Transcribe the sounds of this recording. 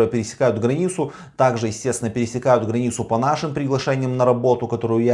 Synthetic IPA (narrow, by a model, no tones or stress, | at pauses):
jəpʲɪɾʲɪsʲɪ̥kajʊt̪ɡɾɐnʲit̪sʊ | t̪aɡʐɨjɪsʲtʲest̪ʲɪnəpʲɪɾʲɪsʲɪkajʊt̪ɡɾɐnʲit̪sʊpɐnaʂɨmpɾʲɪɡlˠɐʂɛnʲɪjəmnəɾɐbo̞t̪ʊkɐt̪o̞ɾʊjʊja